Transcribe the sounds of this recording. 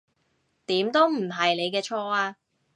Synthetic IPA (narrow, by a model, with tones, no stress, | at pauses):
t̪iː˨˥mt̪o˥wm̩˨˩ɦɐ˨jne˨˧jkɛː˧t͡ʃʰɔː˧aː˧